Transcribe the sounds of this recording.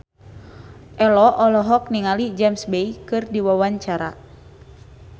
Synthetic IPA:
ʔɛlɔʔɔlɔɦɔk̚niŋalid͡ʒamsbɛikɨrdiwawaɲt͡ʃaɾa̰

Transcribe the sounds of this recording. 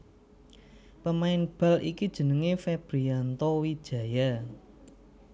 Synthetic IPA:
pəmaɪnb̥a̤lʔikid̥ʒ̥ə̤nəŋefeb̥ɾiant̪ɔwi̥ʒ̥ä̤ja

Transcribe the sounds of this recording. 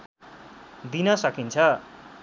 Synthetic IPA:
d̪inʌsʌkint͡sʰʌ

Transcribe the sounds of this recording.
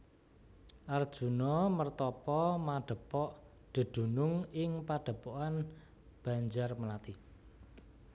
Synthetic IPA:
ʔard̥ʒ̥ṳnɔmərt̪ɔpɔmaɖ̥ə̤pɔʔ | ɖ̪̥ə̤d̪̥ṳnʊŋɪŋpaɖ̥ə̤pɔʔan | b̥ä̤ɲd͡ʒarməlat̪i

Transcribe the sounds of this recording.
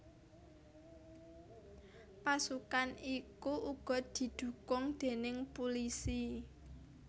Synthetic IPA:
pasukanikuuɡ̥ɔ̤d̪̥i̤d̪̥ṳkʊŋd̪̥e̤nɪŋpulisi

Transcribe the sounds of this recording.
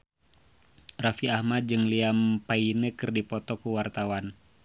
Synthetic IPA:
rafiahmat̪̚d͡ʒɨŋliampainəkɨrdipɔt̪ɔkuwart̪awan

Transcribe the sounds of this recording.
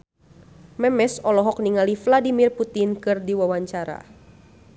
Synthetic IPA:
mɛmɛsɔlɔɦɔk̚niŋalifladimirput̪ɪnkɨrdiwawaɲt͡ʃaɾa̰

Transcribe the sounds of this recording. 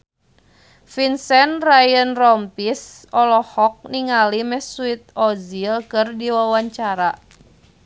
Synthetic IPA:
finsɛnrajənrɔmpis | ɔlɔhɔk̚niŋalimɛhsuit̪̚ɔzilkɨrdiwawaɲt͡ʃaɾa

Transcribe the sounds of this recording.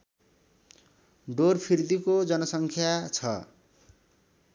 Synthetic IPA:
ɖorpʰird̪ikod͡zʌnʌsʌŋkʰjat͡sʰʌ̰

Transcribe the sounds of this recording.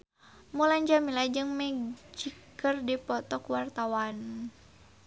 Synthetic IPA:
mulaɲd͡ʒamilad͡ʒɨŋmɛd͡ʒikərdipɔt̪ɔkwart̪awan

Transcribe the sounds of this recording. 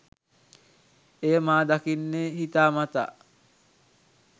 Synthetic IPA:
ejəmaːd̪akinːeɦit̪aːmat̪a̰ː

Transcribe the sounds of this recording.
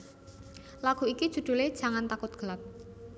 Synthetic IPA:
laɡ̥ṳiki̥ʒ̥ṳɖ̪̥ṳled̥a̤ŋant̪akʊt̪̚ɡ̥ə̤lap̚

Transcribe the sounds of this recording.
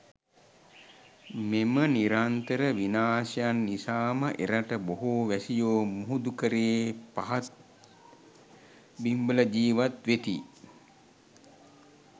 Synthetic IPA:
meməniɾant̪əɾəʋinaːsɐjanːisaːməʔeɾaʈəboɦoːʋæsijoːmuɦud̪ukəɾeepaɦat̪ | bimbələd͡ʒiːʋat̪ʋet̪ḭ

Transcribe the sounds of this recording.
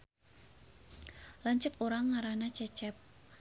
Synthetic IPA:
laɲt͡ʃəkuɾaŋːaɾanat͡ʃɛt͡ʃɛp̚

